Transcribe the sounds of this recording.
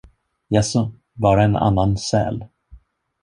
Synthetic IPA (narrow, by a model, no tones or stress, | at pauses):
jɛsʊ | bɑːɾaɛna̰nːansɛ̰ːl